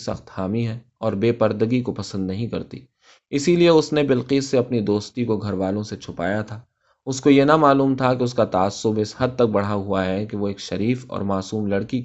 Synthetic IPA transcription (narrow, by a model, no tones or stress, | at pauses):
sɐ̰xt̪haːmiɦɛ | ɔːɾbeːpɐɾd̪əɡikopɐsə̃nd̪nɐɦĩkɐɾt̪ḭ | ɪsilieʊsnebɪlqiːsːeɐpnid̪oːst̪ikoɡʱɐɾʋaːlõset͡ʃʰʊpa̰ːjat̪ʰaː | ʊskojenɐmaːluːmt̪ʰakeʊskat̪aːsːʊbɪshɐd̪̚t̪ɐk̚bɐɽ̤aɦʊaɦɛkeʋoeːkʃɐɾiːfɔ̰ːɾmaːsuːmlɐɽkik